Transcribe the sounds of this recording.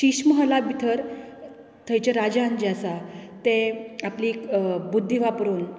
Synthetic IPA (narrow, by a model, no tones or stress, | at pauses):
ɕiɕməɦəlabʱit̪ʰəɾ | t̪ʰəjt͡ɕeɾad͡ʑand͡ʑasat̪ẽapliːkbud̪ʱːiʋapɾuːn